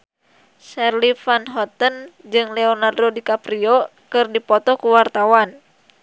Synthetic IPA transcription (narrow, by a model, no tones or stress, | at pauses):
sɛrlifanɦɔt̪ənd͡ʒɨŋlɛɔnardodikapɾiɔkɨrdipɔt̪ɔkuwart̪awan